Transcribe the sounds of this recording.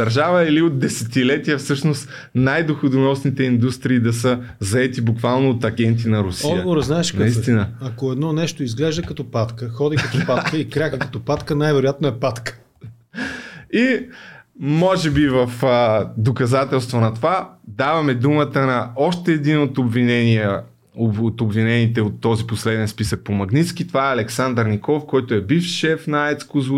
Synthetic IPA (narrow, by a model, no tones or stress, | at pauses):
d̪̥ɐɾʒavəiliot̪̚d̪ɛsɛt̪ilɛt̪ijəfsɤʃnost̪ | najd̪oxʊd̪onɔsnit̪ɛind̪ust̪ɾiːd̪ɐsə | zɐɛt̪ibukvalˠnoːt̪ɐɡʲɛnt̪̬inɐɾʊsɔd̪əɡovoɾznaɛʃknɐist̪inəɐkoɛd̪nɔnɛʃt̪oizɡlɛʒd̪əkɐt̪ɔpat̪kəxɔd̪ikɐt̪ɔpakəikɾʲakəkɐt̪ɔpat̪kənajvɛɾʊjat̪noɛpat̪kə̥ | i | mɔʒɛbivɐfd̪okɐzat̪ɛlˠst̪vonɐt̪ovad̪avɐmɛd̪umət̪ənɐɔʃt̪ɛːd̪inot̪obvinɛniɛ | oot̪obvinɛnit̪ɛot̪ːɔziposlɛd̪ɛnspisək̚pomɐɡnit̪sk̟it̪ovaɛɐlɛksand̪əɾnʲikɔfkɔjt̪oɛbifʃɛfnɐaɛt̪skʊz